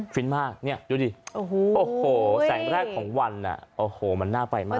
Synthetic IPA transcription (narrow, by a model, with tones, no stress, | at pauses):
kʰi˦˥nmaː˥˩k̚ni˦˥˩ɐjuː˦˩diː˧o˨˧˩hʔoː˧˩hoː˨˩sɛː˨˩˦ŋɾɛː˥˩kʰːɔː˩˦ŋwa˧nːa̰˨˩ʔoː˨˩hoː˨˩ma˧nːaː˥˩pa˧jmaː˥˩